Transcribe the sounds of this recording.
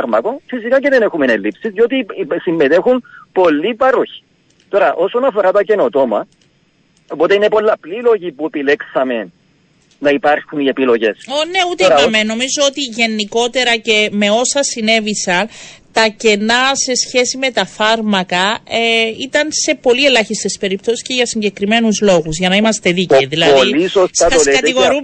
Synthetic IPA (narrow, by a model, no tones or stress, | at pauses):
ɾmɐkofisikɐceðenexumenelːipsizʝo̞t̪isimːet̪e̞xunpo̞lːipɐɾoçi̥ | t̪o̞ɾɐʔo̞sonɐfo̞ɾɐt̪ɐce̞no̞t̪o̞mɐ | opot̪einepo̞lːɐplilo̞ʝipuepileksɐme̞n | nɐipaɾxunie̞pilo̞ʝe̞sone̞ut̪eɐmeno̞mizoot̪iʝe̞nːiko̞t̪e̞ɾɐce̞me̞o̞sɐsine̞visɐnt̪ɐce̞nɐse̞sçe̞sime̞t̪ɐfɐɾmɐkɐeit̪ɐnse̞po̞lie̞lɐçist̪e̞spe̞ɾip̚t̪o̞si̥sceʝɐsiɲɟe̞kɾime̞nuzlo̞ɣuzʝɐnɐimɐst̪e̞ðicːðilɐoðilisostsɐt̪okɐtt̪iɣoɾu